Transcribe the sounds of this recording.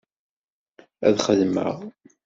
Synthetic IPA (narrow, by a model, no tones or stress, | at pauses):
æ̰ðχəðmə̰ʁˤ